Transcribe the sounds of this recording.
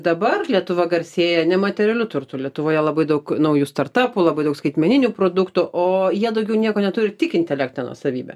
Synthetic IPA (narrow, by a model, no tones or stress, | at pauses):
d̪ɐbɐrlʲiɛt̪ʊʋɐɡɐrʲsʲeːjɛnʲɛmɐt̪ʲɛɾʲɛlʲʊt̪ʊrt̪ʊlʲiɛt̪ʊʋoːjɛlˠɐbɐɪd̪ɐʊknɐʊjuːst̪ɐrt̪ɑːpʊlˠɐbɐɪdɐʊkskɐɪt̪ʲmʲɛnʲɪnʲupɾoːd̪ʊkt̪ʊʔoːjiɛd̪ɐʊɡʲɛʊnʲiɛkoːnʲɛt̪uːɾʲɪt̪ʲɪkʲɪnʲt̪ʲɛlʲæːkt̪ʲnʲɛnuɔ̰sɐʋʲiːbʲɛ̰